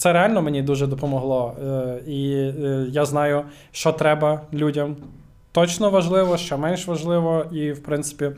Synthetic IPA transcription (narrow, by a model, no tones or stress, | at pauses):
t̪sɛɾealʲnɔmenʲid̪uʒɛd̪ɔpɔmɔɦlˠɔ | ijaznɑjʊ | ʃt͡ʃɔt̪ɾɛbɐlʲudʲɐm | t̪ɔt͡ʃnɔʋɐʒlˠɪʋɔʃt͡ʃɔmɛnʲʃʋɐʒlˠɪʋɔiwpɾɪnt̪sɪ̥pʲi